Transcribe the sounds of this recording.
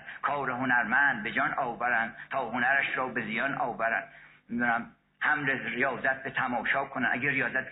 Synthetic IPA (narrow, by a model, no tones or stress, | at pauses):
kʰɒːɾeɦonæɾmænd̪̚bed͡ʒɒnɒːvæɾænd̪̥̚t̪ʰɒːhonæɾæʃɾɒːbezijɒːnʔɒːvæɾæ̰nd̪ | mid̪unæm | hæmleɾijɒːzæt̪̚ʰbet̪ʰæmɒːʃɒːkʰonænʔæɡʲerijɒːzæt̪